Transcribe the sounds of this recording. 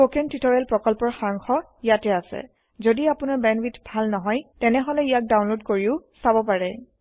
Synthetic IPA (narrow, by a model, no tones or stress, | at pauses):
okɛntitɔɹalpɹɔkɔlpɔɹxaɹŋxɔ | ijatɛasɛ̰ | zodiapʊnaɹbɛnwitbʱalnɔɦɔjtɛnɛɦɔlɛijak̚daw̃nlodkoɹiʊsabɔp̬aɹɛ